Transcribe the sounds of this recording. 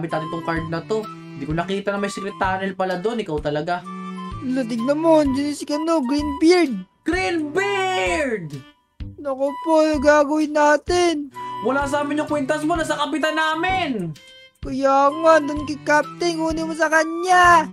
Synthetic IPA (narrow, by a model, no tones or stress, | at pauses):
bɪt̪naːt̪ɪnt̪ʊŋkaɹd̪̚nɐt̪o̞ | nd̪ikonɐkiːt̪ɐnɐŋmɐjsɛkɾɛt̪aːɾɪlpɐlad̪o̞nɪkawt̪ɐlɐɡa | lɐt̪̬ɪɡ̚nɐmond͡ʒɪnɪskɐnoɡɾinbɪɾd̪̚ | ɡ̥ɾinbɪɾd̪ | nɐkopojɡaːɡɐwɪnːaːt̪ɪnwɐlasaːmɪɲjʊŋkwɛnt̪ɐs̬monasɐkɐpɪt̪anaːmɪn | kɐjaːŋand̪ʊnkɪkap̚t̪ɪŋʔuːnɪmosɐkɐɲɲa